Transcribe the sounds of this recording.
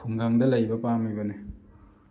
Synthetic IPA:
pʰuŋɡaŋdɐlɐjbɐpamijbɐne

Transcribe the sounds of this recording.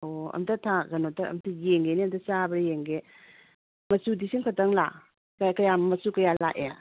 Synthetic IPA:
oɐ̰mtɐtʰaɡɐnotaɐ̰mtʰajeŋɡeniɐmtɐt͡ʃabɐɾjeŋɡe | mɐsudisiŋkʰataŋla̰ | kakɐjammɐsukɐjalaʔe

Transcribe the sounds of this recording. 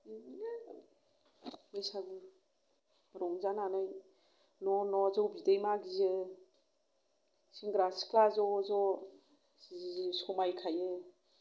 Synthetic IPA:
mesabu | ɾɔŋzananaj | nɔnɔzɔwbidejmaɡizɯ | siŋɡɾasi̥klazɔzɔ | sɔmajkʰajɯ

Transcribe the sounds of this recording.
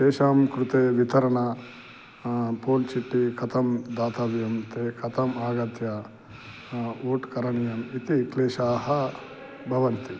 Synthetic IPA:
ʃeːʃaːmkɾut̪eːʋit̪ɐɾɐɳɐ | poːlt͡ʃiʈːikʰɐt̪ʰɐmd̪aːt̪ʰɐbjɐmt̪eːkʰɐt̪ʰɐmaːɡɐt̪jɐ | oːʈkɐɾɐɳijɐmit̪ikleːʃaːɦɐ | bʱɐʋɐnt̪i

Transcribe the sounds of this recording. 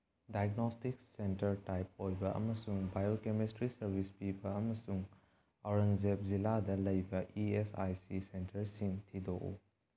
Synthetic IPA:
dajɡnostiksentɐɾtajp̚ojbɐʔɐ̰mɐsuŋbajokemistɾisɐɾbʱispibɐːmɐsuŋ | ɔɾɐnzep̚ziladɐlɐjbɐʔiesa̰jsisentɐɾsiŋtʰidoʔṵ

